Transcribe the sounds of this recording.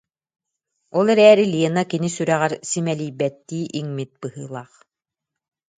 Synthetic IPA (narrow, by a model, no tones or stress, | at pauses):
ɔlˠɛɾɛːɾiliɛnakinisyɾɛʁɛɾsimɛliːbɛt̪ːiːʔiŋmit̪̚bɯhɯːlˠaːχ